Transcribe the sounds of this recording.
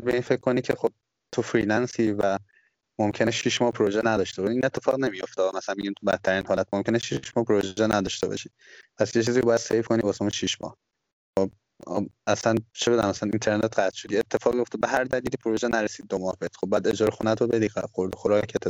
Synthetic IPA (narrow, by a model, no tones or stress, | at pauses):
d̪̚beiːnfecʰkʰːo̞nicʰe̞xob̥̚ | t̪ʰofɾilænsiːvæ | momcʰeneʃiʃmɒːhpʰoɾoʒɛnæd̪ɒːʃt̪ebɒʃiinet̪ʰːe̞fɒːɣne̞mijo̞ft̪eːmæsælænmiɟiːmt̪ʰubæt̪ʰːæɾiːnhɒːlæt̪momcʰʲe̞neʃiʃmɒːpʰoɾoʒʒɛnæd̪ɒʃt̪ebɒ̰ʃiː | pʰæsjet͡ʃʰiːziːbɒːjæd̪̥sejfkʰo̞niːbɒsemunʃiʃmɒ̰ːh | xob̰ | æsænt͡ʃʰebe̞d̪unæmæsænint̪ʰe̞ɾnet̪ɢæt̪ʃod̪iet̪ʰːe̞fɒːɣmijo̞ft̪ebeɦæɾd̪æliːlipʰoɾoʒɛnæɾesiːd̪̚ːomɒhbet̪xobːææd̪e̞d͡ʒɒːɾexunæt̪ʰobe̞d̪iːɡæ̰xoɾd̪oxoɾɒkʰet̪ʰːe